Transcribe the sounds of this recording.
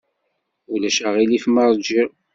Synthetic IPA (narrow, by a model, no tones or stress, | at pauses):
ulæʃæʁilifmɑɾˤd͡ʒi